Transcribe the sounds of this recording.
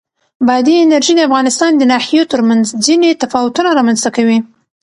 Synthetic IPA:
bad̪iɪnaɾʒid̪əafɣɑnɪst̪ɑnd̪ənɑhijot̪əɾmanzd͡ʒinet̪afɑwʊt̪unaɾɑmanz̥t̪akawi

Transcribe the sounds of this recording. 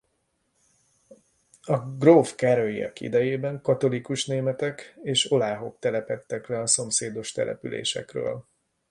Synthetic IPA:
ɒɡrofkɛɾøjiɒ̰kḭd̪ɛjeːbɛŋkɒt̪o̞likuʃneːmɛt̪ɛkeːʃo̞laːɦo̞k̚t̪ɛlɛpɛt̪ːɛklɛɒso̞mseːd̪o̞ʃt̪ɛ̰lʔɛ̰pylḛːʃɛ̰krø̰ːl

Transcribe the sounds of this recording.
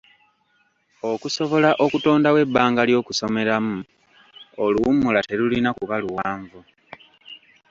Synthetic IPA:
okuso̞βo̞laʔo̞kuto̞ːndawe̞bːaːŋɡaljo̞ːkuso̞me̞ɾamu | oluumulate̞lulinakuβaluwaːɱvu

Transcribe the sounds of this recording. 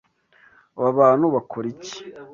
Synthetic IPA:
βaβaːn̥uβakoɾici̥

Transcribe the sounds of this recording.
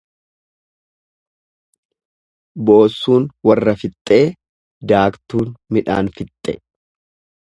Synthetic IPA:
boːsːuːnwɐrːɐfɪt̪ʼːe̞ː | d̪aːkt̪uːnmɪᶑa̰ːnfɪt̪ʼːɛ

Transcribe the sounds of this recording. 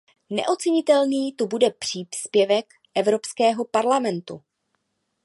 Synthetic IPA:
nɛ̰ʔo̞t͡sɛɲɪt̪ɛlniːt̪ubudɛpr̝̥iːspjɛvɛk | ʔɛvɾo̞pskɛːɦo̞paɾlamɛnt̪ṵ

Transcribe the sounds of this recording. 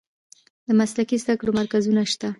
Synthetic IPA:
d̪əmaslakizd̪akɽomaɾkazunaʃt̪a

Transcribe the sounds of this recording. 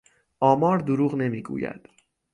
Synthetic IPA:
ʔɒːmɒːɾd̪oɾuːɣne̞miːɡṵːjæ̰d̪̥

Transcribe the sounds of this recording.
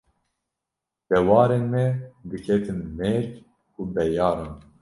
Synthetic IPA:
d̪̥ɛwɑːɾenmɛd̪ɨkʰɛt̪ʰɨnmeːɾ | kʰubɛjɑːɾɑn

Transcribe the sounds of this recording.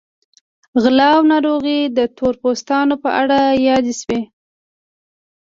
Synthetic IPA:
ɣlɑwnɑɾoɣid̪ət̪ʰoɾpost̪ɑnopə̰ʔaɽajɑd̪eʃwe

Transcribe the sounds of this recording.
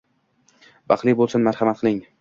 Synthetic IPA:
bɑχlˠibolˠsanmaɾhamat̪̚qʰɨlˠɪŋ

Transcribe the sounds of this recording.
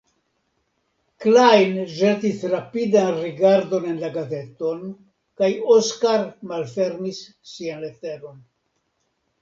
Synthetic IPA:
klajnʒe̞tisɾapidanɾiɡaɾdo̞ne̞nlaɡaze̞t̪o̞n | kajoskaɾmalfe̞ɾmisː | ianle̞t̪e̞ɾo̞n

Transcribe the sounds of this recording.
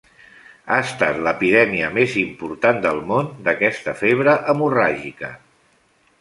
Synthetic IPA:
aəst̪a̰t̪ləpiðɛmiəmezimpuɾt̪and̪əlˠmond̪əkɛst̪əfeβ̞ɾəʔəmuraʒikə̰

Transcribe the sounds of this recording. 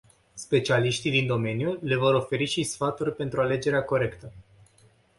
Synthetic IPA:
spe̞t͡ʃialiʃt̪ijd̪ind̪o̞me̞njule̞vo̞ɾo̞fe̞ɾiʃisfat̪urʲpe̞nt̪ɾuale̞d͡ʒe̞ɾeako̞ɾe̞kt̪ə

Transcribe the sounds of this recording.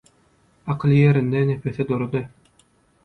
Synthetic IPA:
ɑqʰɯlˠɯjeɾind̪enepʰeθid̪oɾod̪ɯ

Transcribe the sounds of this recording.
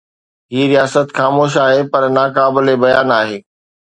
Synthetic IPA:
ɦiːɾijaːsət̪xaːmoːʃ̬aːɦepɐɾnaːkaːbɪlebɐjaːnaːɦeː

